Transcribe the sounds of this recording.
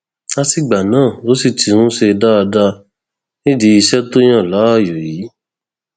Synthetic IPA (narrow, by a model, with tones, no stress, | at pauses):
a˧ti˨ɡ͡ba˨nãː˦˨o˨˦si˦˨ti˧hũ˦ʃe˧da˦a˧da˦ | nĩ˦di˧˦i˧ʃɛ˦to˦j̃ã˦˨la˨˦a˦˨jo˨ji˨˦